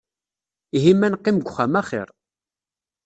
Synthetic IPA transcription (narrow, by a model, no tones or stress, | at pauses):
iɦimːænqːɪmɡʷχamæχɪ̰ɾˤ